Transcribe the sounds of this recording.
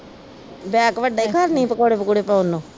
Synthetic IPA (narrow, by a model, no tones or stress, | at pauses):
bɛːkʋəɖaːiːkʰaɾnĩːpəkoːɽeːpəkoːɽeːpəːnõː